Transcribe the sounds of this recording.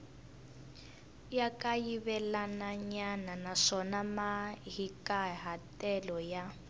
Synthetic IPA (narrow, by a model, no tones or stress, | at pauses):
jakajiβɛlanaɲananaʂɔnamaɦikaɦatɛlɔja